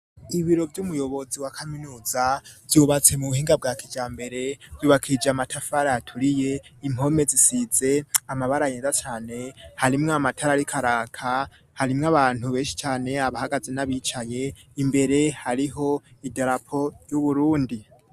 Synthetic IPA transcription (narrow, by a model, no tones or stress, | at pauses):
iβiɾo̞vjumujo̞βo̞ziwakʰaminuːzav̥juβat͡se̞muβuhiːŋɡab̚ɡaːkʰid͡ʒaːmbe̞ɾe̞v̥juːβakʰid͡ʒamatʰafaɾaatʰuɾije̞imo̞me̞zisize̞amaβaɾajenzat͡ʃaːne̞haɾimŋamatʰaɾaɾikʰaɾaːkʰa | haɾimŋaβaːn̥huβe̞ːʃi̥t͡ʃaːne̞aβahaɡaze̞naβiːt͡ʃaje̞ | imbe̞ɾe̞haɾiɦo̞idaɾapʰo̞ɾjuβuɾuːndi